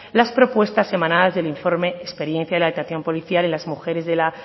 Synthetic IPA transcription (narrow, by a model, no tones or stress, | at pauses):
laspɾo̞pwe̞st̪asːe̞mãnaðazðeliɱfo̞ɾme̞ːspe̞ɾje̞nθjaðelaðet̪aθjo̞mpo̞liθjalenlazmuxe̞ɾe̞zðe̞la